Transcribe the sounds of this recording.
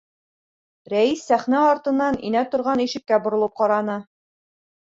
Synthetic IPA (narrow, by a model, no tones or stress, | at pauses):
ɾæisːæχnæɒɾt̪ɤ̆nːɑnḭnæt̪ŏɾʁɑniʃɘ̆kːæbŏɾŏlˠɤp̚qɑɾɑnɤ